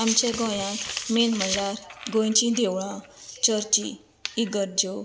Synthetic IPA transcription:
amt͡ɕẽɡɔ̃jãmenməlaɾɡɔ̃jt͡ɕĩd̪ewɭãt͡ɕəɾt͡ɕḭː | ɡəɾd͡ʑo

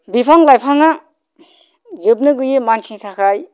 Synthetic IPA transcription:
bipʰaŋlajpʰaŋa | zɯp̚nɯɡɯjemansʰitʰakʰaj

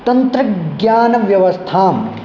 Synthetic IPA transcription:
t̪ɐnt̪ɾɐɡjaːnɐʋjɐʋɐst̪ʰaːm

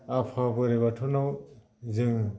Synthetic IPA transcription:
apʰabɯɾeβatʰɔnaw | zɯŋ

